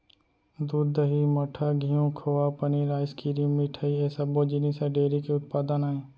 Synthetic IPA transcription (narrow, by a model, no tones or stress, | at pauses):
d̪uːd̪ːəɦimɐʈʰaɡʱijõkʰoːʋapəniɾaːjskiːɾiũmiʈʰaieːsɐboːd͡ʒinisɐɖeːɾikeʊt̪paːd̪ənaːẽː